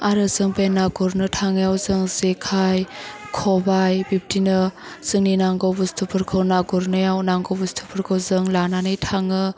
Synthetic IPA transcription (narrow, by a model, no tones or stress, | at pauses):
aɾɯzɯŋbenaɡuɾnɯtʰaŋjawzɯŋzekʰajkʰɔbajbip̚tinɯz̥ɯŋninaŋɡɔwbustʰupʰɯɾkʰɯwnaɡɔɾnɯjawnaŋɡowbustʰupʰɯɾkʰɯwzɯŋlananɯjtʰaŋɯ